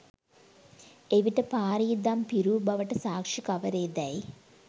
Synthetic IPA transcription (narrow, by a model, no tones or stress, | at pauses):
eʋiʈːɐpaːɾiːd̪aːmpiɾuːbɐʋɐʈːɐsaːkʂikɐʋɐɾeːd̪ɐj